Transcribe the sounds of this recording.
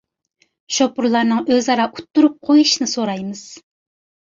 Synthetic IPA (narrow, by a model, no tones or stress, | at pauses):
ʃopuɾlˠɑɾnɨŋøzɑɾɑʔut̪ːuɾup̚qʰojuʃinɨsoɾɑjmɨz̥